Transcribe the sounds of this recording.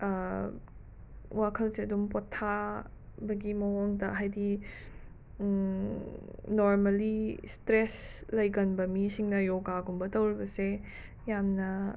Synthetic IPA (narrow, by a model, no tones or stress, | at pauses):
wakʰɐlseɐdumpotʰːa | bɐɡimɐɦoŋdɐɦajdi | noɾmɐlistɾeslɐjɡɐnbɐmisiŋnɐjoɡaɡumbɐtɐwɾibɐse | jamnɐ